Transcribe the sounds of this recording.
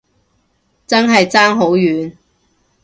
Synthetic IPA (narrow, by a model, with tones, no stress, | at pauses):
t͡sɐ˥nɦɐ˨jt͡saː˥ŋɦo˨˥wjyː˨˥n